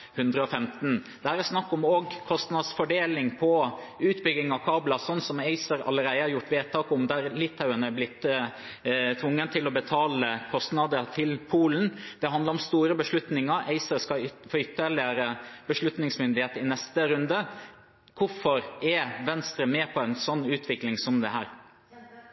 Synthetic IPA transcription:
hʉnd̪ɾəɔfɛmt̪nd̪ææɾɛsnɑkːɔmoːɡkʰɔst̪nɑd̪sfɔɖeːlɪŋpʰɔ | ʉːt̪bʏɡɪŋɑʋkʰɑːblɑsɔnsɔmæɪsəɾɑ̰lːəɾæɪəhɑɾjʊʈːʋeːt̪ʰɑːkɔmd̪æɾlɪt̪ʰːɑʉənəæblɪt̪ː | t̪ʰʋʊŋːənt̪ʰɪlɔbət̪ʰɑːləkʰɔst̪nɑd̪əɾt̪ʰɪlpʰuːln̩d̪̥ɛɦɑnd̪ləɾɔmst̪uːɾəbəʂɭʉt̪nɪŋəɾʔæɪsəɾskɑfoʏt̪ːəɭɪəɾəb̥əʂɭʉt̪nɪŋsmʏnd̪ɪheːt̪ɪnɛst̪əɾʉnd̪ə | kʰʊfɔɾɛʋɛnst̪ɾəmeːpʰɔɛɪnsɔnːʉːt̪ʰʋɪklɪŋsɔmd̪ɛɦæːɾ

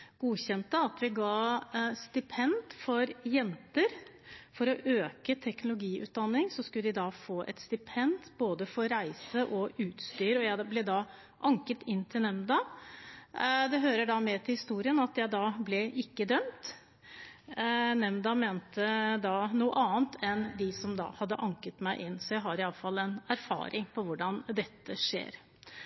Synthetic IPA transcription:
ɡ̥uːɕɛnt̪əɑt̪ʋɪɡɑːst̪ɪpʰɛnd̪fɔɾjɛnt̪əɾfɔɾɔʔøːkət̪ʰɛknʊlʊɡiːʔʉ̰ːt̪̚d̪ɑnːɪŋsɔskʉləd̪ɪd̪ɑːfoːʔɛ̰t̪st̪ɪpʰɛnd̪boːd̪əfɔɾæɪsəʔɔʔʉːt̪st̪yːɾɔjæɪblɛd̪ɑ | ʔɑŋkət̪ʰɪnːt̪ʰɪlnɛmd̪ɑ | d̪ɛɦøːɾəɖɑmɛt̪ʰɪlhɪst̪uːɾɪənɑt̪jæɪd̪ɑːblɛʔɪkːəd̪œmt̪ | nɛmd̪ɑmeːnt̪əd̪ɑːnuːə̰ʔɑːənt̪ʰɛnd̪ɪsɔmd̪ɑ̰ːhɑd̪ːə̰ʔɑŋkət̪mæɪʔɪnːsɔjæɪɦɑɾɪɑlːəfɑlːɛnæɾfɑ̰ːɾɪŋpʰɔʋʊɖɑnd̪ɛt̪ːəʂḛːɾ

